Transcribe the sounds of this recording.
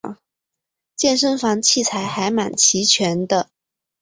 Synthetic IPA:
t͡ɕjɛ˥˩nʂə˥ŋfɑ˧˥ŋt͡ɕʰi˥˩t͡sʰa˧˥ɪxa˧˥ɪma˨˩nt͡ɕʰi˧˥t͡ɕʰɥɛ˧˥nd̪ə˧

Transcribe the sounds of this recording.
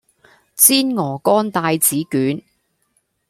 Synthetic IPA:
t͡siː˥nŋɔː˨˩kɔː˥nt̪aː˧jt͡siː˨˥kyː˨˥n

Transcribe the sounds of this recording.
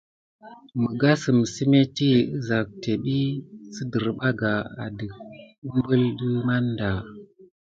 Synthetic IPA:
mə˨ɡa˦sɨ˨msi˦me˦ti˦ɨ˦za˨k̚te˨ɓi˦sə˦də˨ɾɓa˦ɡa˨a̰˨də˨k̚ | u˦m˦bə˦lɗə˦ma˦nda˨

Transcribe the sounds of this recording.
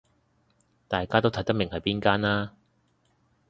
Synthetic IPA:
t̪aː˨jkaː˥t̪o˥wt̪ʰɐ˨˥jt̪ɐ˥mɪ˨˩ŋhɐ˨jpiː˥nkaː˥naː˥

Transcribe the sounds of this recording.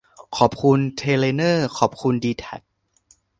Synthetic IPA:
kʰɔː˨˩p̚kʰu˧nt̪ʰeː˧leː˧nɤː˥˩kʰɔː˨˩p̚kʰu˧ndiː˧t̪ʰɛ˨˩k̚

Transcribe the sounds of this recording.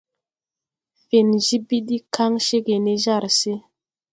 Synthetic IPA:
fe˨nʒi˦bi˦ɗi˦kʰa˦ŋʃe˦ɡe˨ne˦ʒa˦˨ɾse˦

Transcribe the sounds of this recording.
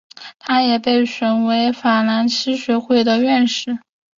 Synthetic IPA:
t̪ʰa˥jɛ˨˩pe˥˩ɪʂwə˨˩nwe˧˥ɪfa˨˩la˧˥nt͡ɕʰi˥ɕɥɛ˧˥xwe˥˩ɪd̪ə˨ɥɛ˥˧nʂɻ̩˥˩

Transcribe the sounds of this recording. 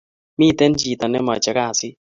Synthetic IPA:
mi˦˨t̪ɛ˦nd͡ʒi˨t̪ɔ˨nɛ˦mɔ˨t͡ʃɛ˨ka˦˨sɪ˦

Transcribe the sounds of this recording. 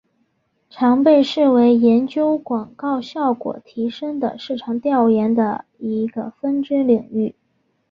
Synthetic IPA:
ʈ͡ʂʰɑ˧˥ŋpe˥˧ɪʂɻ̩˥˩we˧˥ɪjɛ˧˥nt͡ɕjo˥ʊkwɑ˨˩ŋkɑ˥˧ʊɕjɑ˥˩ʊkwɔ̰˨˩t̪ʰi˧˥ʂɤ˥ŋd̪ə̰˨ʂɻ̩˥˩ʈ͡ʂʰɑ˧˥ŋt̪jɑ˥˩ʊjɛ˧˥nd̪ə̰˧i˧˥ɡə˧fə˥nʈ͡ʂ̩˥nli˨˩ŋy˥˩

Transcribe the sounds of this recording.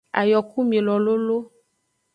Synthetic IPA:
a̰˨jɔ˨ku˦mĩ˨lɔ˨lo˦lo˦

